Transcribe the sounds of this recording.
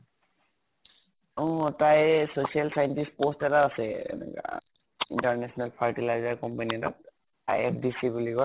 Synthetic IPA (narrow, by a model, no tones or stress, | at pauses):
ɔ̃tajsosialsajntispostɛtaasɛɛ̰nɛ̰ka̰ | ḭntaɹnɛsʰɔnalpʰaɹtilajzaɹkɔmpaniɛtat̚ | a̰jɛpʰdisibuliɡɔ